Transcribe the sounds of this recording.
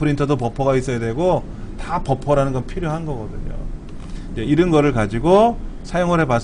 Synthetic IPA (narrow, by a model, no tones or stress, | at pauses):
pʰɯɾintʰʌdopʌpʰʌɡais͈ʌjadwe̞ɡo | tapʌpʰʌɾanɯnɡʌnpʰiɾjoɦanɡʌɡʌdɯ̰ɲo̰ | id͡ʑeiɾɯnɡʌɾɯɭkad͡ʑiɡosʰajoŋɯɾɦe̞pas